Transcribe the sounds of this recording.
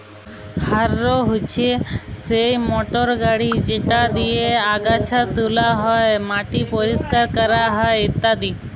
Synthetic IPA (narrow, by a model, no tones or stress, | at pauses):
haɾːoɦot͡ɕʰesejmoʈoɾɡaɽid͡ʑeʈad̪ijeaɡat͡ɕʰat̪ulaɦɔemaʈipoɾiskaɾkɔɾaɦɔeit̪ːad̪i